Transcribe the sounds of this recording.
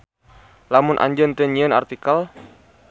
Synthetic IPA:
lamʊnʔa̰ɲd͡ʒənt̪əɲiəna̰rt̪ikal

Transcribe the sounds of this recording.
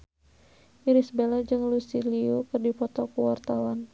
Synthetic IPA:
miɾisbelad͡ʒɨŋlusiliukɨrdipɔt̪ɔkuwart̪awan

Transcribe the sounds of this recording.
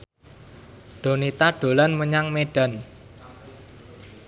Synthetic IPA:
ɖ̥o̤nit̪aɖ̥o̤lanməɲaŋmeɖ̥a̤n

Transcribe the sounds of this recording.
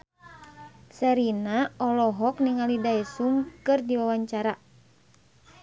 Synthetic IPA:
sɛɾinaɔlɔɦɔk̚niŋalidaɛsuŋkɨrdiwawaɲt͡ʃaɾa

